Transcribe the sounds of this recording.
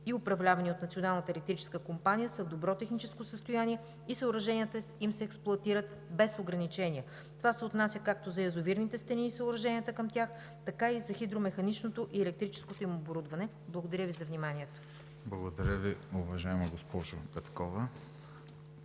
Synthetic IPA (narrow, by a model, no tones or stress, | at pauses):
iʊpɾɐvlʲavɐniot̪nɐt̪sionalˠnət̪əɛlɛk̚t̪ɾit͡ʃɛ̥skəkompanʲijəsɐvd̪obɾɔt̪ɛxnit͡ʃɛskosəst̪ʊjaniɛ | isəʊɾɐʒɛnʲiət̪əimsɛːksplˠoɐt̪iɾət̪ | bɛsoɡɾɐnit͡ʃɛnʲiə | t̪ovasɛot̪nasʲjəkak̚t̪ozɐɛzʊviɾnit̪ɛst̪ɛniːsəʊɾɐʒɛnijət̪əkɐmt̪ʲax | t̪ɐkaizɐxid̪ɾomɛxɐnit͡ʃnot̪oʔiɛlɛk̚t̪ɾit͡ʃɛ̥skot̪oimoboɾud̪vɐnɛ | blˠɐɡod̪ɐɾʲəvizɐvnimaniɛt̪o̥ | blˠɐɡod̪ɐɾʲəviʊvɐʒaɛmɐɡospɔʒopɛt̪kɔvɐ